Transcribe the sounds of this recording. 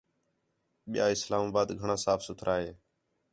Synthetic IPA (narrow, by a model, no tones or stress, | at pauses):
ɓɪja̰ːɪslaːmaːbaːd̪ɡʱəɳãːsaːfʰsʊt̪ʰɾʔaːɦeː